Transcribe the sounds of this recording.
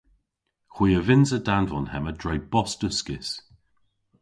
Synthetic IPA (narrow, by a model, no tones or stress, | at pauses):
xwiːəvɪnsədanvɔnhɛmədɹɛjb̥ɔstəskɪs